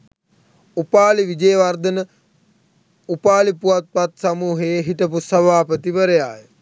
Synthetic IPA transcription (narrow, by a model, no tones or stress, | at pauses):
upaːliʋid͡ʒejʋard̪ənə | upaːlipuat̪̚pat̪samuːɦeɦiʈ̪əpusɐbaːpət̪iʋəɾəjaːjə